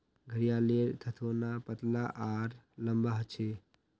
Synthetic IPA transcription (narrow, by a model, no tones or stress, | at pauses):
ɡʱəɽijaleɾt̪ʰət̪ʰonapət̪laʔaɾ | ləmbaɦt͡ʃʰe